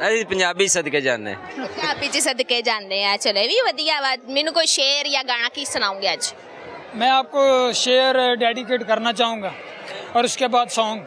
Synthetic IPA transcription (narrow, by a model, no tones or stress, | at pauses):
əipəɲd͡ʒaːbisəd̪ked͡ʒa̰ːnd̪ḛ̃ | pəɲd͡ʒaːbiːd͡ʒisəd̪ked͡ʒaːnd̪eːɦɛ̃t͡ʃəloʋiːʋəd̪ijaːʋamɛːnũːkoiʃeːɾjaːɡaːñaːkisʊnaːũːŋɡeəd͡ʒ | mɛ̃ːaːp̚koʃeːəɾɖeːɖɪkeːʈkəɾnat͡ʃaːɦũːŋɡaː | ɔːɾʊskebaːd̪sɔ̃ːŋɡ